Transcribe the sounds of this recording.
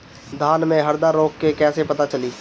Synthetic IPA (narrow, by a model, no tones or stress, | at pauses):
d̪ʱaːnmẽɦɐɾd̪aɾoːkːekɛːsepɐt̪at͡ʃɐliː